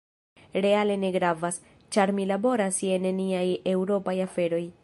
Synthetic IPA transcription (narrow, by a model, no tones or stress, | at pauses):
ɾe̞ale̞ne̞ɡɾavas | t͡ʃaɾmilabo̞ɾase̞nniajewɾo̞pajafe̞ɾo̞j